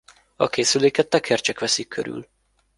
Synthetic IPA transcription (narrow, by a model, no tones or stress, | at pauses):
ɒ̰keːsyleːkɛt̪ːɛkʰɛrt͡ʃɛkʋɛsikʰːø̰ɾy̰l